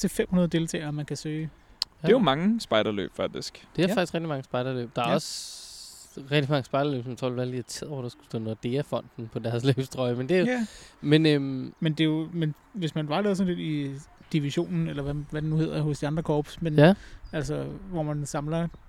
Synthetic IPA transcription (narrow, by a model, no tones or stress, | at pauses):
t͡sʰe̝fem̰hunɐðˠde̝lt͡sʰɛ̰ːɪɐmænkʰæsø̥ː | omɑ̈ŋəsb̥ɑ̈ɪɾɐlø̰ːb̥fɑɡ̥̚d̥isɡ̥d̥e̝æfɑɡ̥isɡʁɛɡ̥̚dimɑ̈ŋəsb̥ɑ̈ɪɾ̥ɐlø̰ːb̥̚d̥ɑ̈æɐɒ̽s | ʁɛɡ̥̚d̥imɑ̈ŋəsb̥ɑ̈ɪ̥ɐlø̰ːb̥smt͡sʰʁɔ̰læɐliæt͡sʰeð̰ˠd̥ɑsɡ̥u̥sd̥ɔ̰ːnod̥e̝ːɐfɒ̽n̰d̥n̩pʰɒ̽d̥æɐsle̥ːsd̥ʁɒɪmend̥e̝jomenømmend̥e̝jo̝men | ʋe̝smænʋɑ̈lɛːðˠs̬ɒ̽n̩ledid̥iʋiɕo̝̰ːnn̩elɐʋæʋæd̥enuhe̝ð̰ˠɐhɔ̽sd̥iɑ̈nd̥ʁɐkʰɒːb̥smenæl̰sɒʋɒmænsɑ̈mlɐ